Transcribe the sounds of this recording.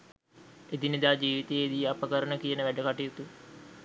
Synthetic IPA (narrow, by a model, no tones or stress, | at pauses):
ed̪inid̪aːd͡ʒiːʋit̪eeːd̪iapəkəɾənəkijənəʋæɖəkaʈijut̪u